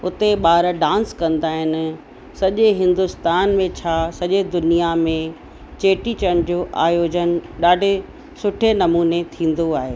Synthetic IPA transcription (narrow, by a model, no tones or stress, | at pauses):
ʊt̪eɓaːɾɖãːnskɐ̃nd̪aːɦɪnɪ̆ | sɐʄeɦɪ̃nd̪ʊst̪aːnmẽt͡ɕʰaːsɐʄed̪ʊnijamẽ | t͡ɕeːʈit͡ɕɐɳ̃̆d͡ʑoːʔaːjoːd͡ʑənɗaːɖʱe | sʊʈʰenɐmuːnet̪ʰĩːn̆d̪oaːɦeː